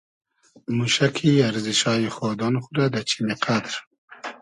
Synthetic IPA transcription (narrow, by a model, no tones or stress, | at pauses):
muʃakʰiaɾziʃɑːjexod̪ɑnxuɾad̪at͡ʃʰimeqʰad̪ɾ